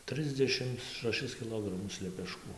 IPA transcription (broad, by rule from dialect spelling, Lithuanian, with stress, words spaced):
ˈtrɨzʲdʲɛʃʲɪms ʃɐˈʃʲɪs kʲɪˈlˠoːɡrɐmʊs lʲɛpʲɛˈʃkuː